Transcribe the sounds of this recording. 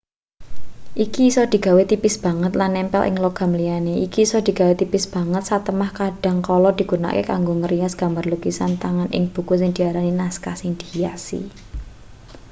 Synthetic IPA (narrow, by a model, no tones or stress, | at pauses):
ʔikisɔd̪̥i̤ɡ̥a̤wet̪ipɪsb̥ä̤ŋət̪lanːɛmpɛ̰lʔɪ̰ŋloɡ̥a̤mlijaneʔikisɔd̪̥i̤ɡ̥a̤wet̪ipɪsb̥ä̤ŋət̪̚sat̪əmahkaɖ̥a̤ŋkɔlɔd̪̥i̤ɡ̥ṳna̰keka̰ŋɡoŋəɾijasɡ̥a̤mbarluɡ̥isant̪aŋanʔɪ̰ŋb̥ṳkusɪŋd̪̥i̤aɾaninaskasiŋd̪̥ijasḭ